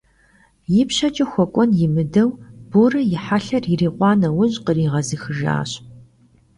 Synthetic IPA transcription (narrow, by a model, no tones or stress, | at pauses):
jɪpɕɐt͡ʃʼɐxʷɔkʷʼɔnjɪmɨdɐwb̥oːrɐjɪħaɬɐririːqʷɑːnɐwʊʑʼqəriːʁɐzɨxɨʒa̰ːɕ